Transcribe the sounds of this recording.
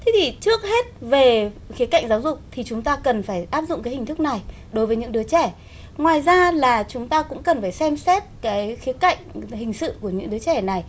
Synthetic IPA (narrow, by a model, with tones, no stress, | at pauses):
t̪ʰe˨˦t̪ʰi˧˩t͡ɕɨ˦˥ək̚he˦˥t̚ve˨˩xi˨˦ka̰˧˨jŋ̟zaː˨˦wzʊ˨˩k͡p̚t̪ʰi˨˩t͡ɕʊ˨˦ŋ͡mt̪aː˧kə˨˩nfaː˧˩jʔaː˦˥p̚zʊ̰˧˨ŋ͡mkaː˨˦hï˨˩ŋ̟t̪ʰk̚na˨˩j | ɗo˨˦jvəː˨˦jɲɨ̰˧˥ŋɗɨ˨˦ət͡ɕɛ˧˩ | ŋwaː˨˩jzaː˧laː˨˩t͡ɕʊ˨˦ŋ͡mt̪aː˧kʊ̰˧˥ŋ͡mkə˨˩nfaː˧˩jsɛ˧msɛ˦˥t̚kaː˨˦jxi˨˦əka̰˧˨jŋ̟ɦï˨˩ŋ̟sɨ̰˧˨ku˧˩əɲɨ̰˧˥ŋɗɨ˨˦ət͡ɕɛ˧˩na˨˩j